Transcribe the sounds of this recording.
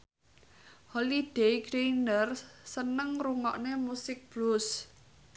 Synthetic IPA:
holid̥eɡɾenərsənəŋruŋɔʔnemusɪk̚b̥lus

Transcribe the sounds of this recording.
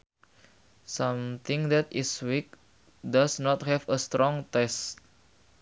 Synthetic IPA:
sãmt̪ɪ̃ŋðɛt̪ɪswik̚ | dasnɔt̪̚hɛfəst̪ɾɔ̃ŋt̪ɛst̚

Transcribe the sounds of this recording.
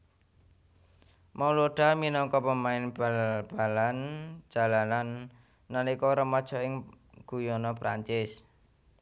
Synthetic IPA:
maloɖ̥a̤minɔŋkɔpəmaɪnb̥ab̥a̤lan̥ʒ̥a̤lananː | anikɔɾəmɔd̥ʒ̥ɔ̤ɪŋ | ɡ̥ujɔnɔpɾa̰ɲt͡ʃɪs

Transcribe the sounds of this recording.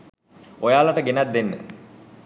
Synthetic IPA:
ojaːlaʈəɡenat̪̚d̪enːə̰

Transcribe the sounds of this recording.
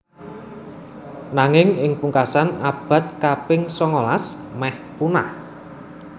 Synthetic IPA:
naŋɪŋɪŋpuŋkasanab̥a̤t̪̚kapɪŋsɔŋɔlas | mɛhpunah

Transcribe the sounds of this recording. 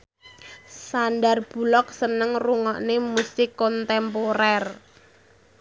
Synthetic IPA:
sandarb̥ṳlɔk̚sənəŋruŋɔʔnemusɪkːɔnt̪ɛmpoɾɛr

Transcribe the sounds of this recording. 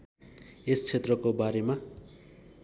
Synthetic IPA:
est͡sʰet̪rʌkobaɾema

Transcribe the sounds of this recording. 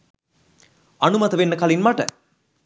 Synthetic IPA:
ɐnumɐt̪əʋenːəkalinmaʈə

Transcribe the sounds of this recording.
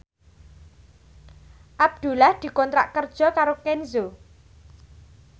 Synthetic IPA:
ʔab̚d̪̥ṳlahd̪̥i̤kɔnt̪ɾa̰ʔkərd̥ʒ̥ɔ̤kaɾokɛnzo

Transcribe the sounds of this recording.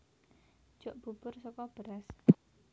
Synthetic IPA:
ʒ̥oʔb̥ṳb̥ʊrsɔkɔb̥əɾas

